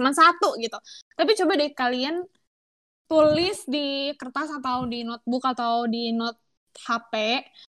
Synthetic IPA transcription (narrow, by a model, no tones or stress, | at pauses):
mansat̪uɡit̪ut̪apit͡ʃobadaikalian | t̪ulɪsdikərt̪asat̪awdinɔt̪̚bʊkat̪awdinɔt̪̚ | hapɛ